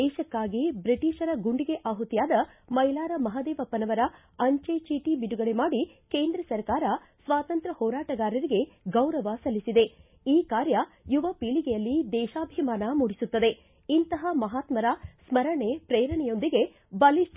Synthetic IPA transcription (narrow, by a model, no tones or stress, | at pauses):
ɛːʃɐkːaːɡibɾiʈiːʃɐɾɐɡuɳɖiɡeʔaːɦut̪jaːd̪ɐ | mɐilaːɾɐmɐɦɐd̪eːʋɐpːɐnɐʋɐɾɐ | ɐɲt͡ʃet͡ʃiːʈibiɖuɡɐɭe̞maːɽi | keːnd̪ɾɐsɐɾkaːɾɐ | sʋaːt̪ɐnt̪ɾɐhɔːɾaːʈɐɡaːɾɐɾiɡe̞ɡɐwɾɐʋɐsɐlːisid̪e̞ | iːkaːɾjɐjuʋɐpiːɭiɡɛjɐlːid̪ɛːʃaːbʱimaːnɐmuːɽisut̪ːɐd̪e̞ | int̪ɐɦɐmɐɦaːt̪mɐɾasmɐɾɐɳepɾeːɾɐɳɛjo̞nd̪iɡe̞ | bɐli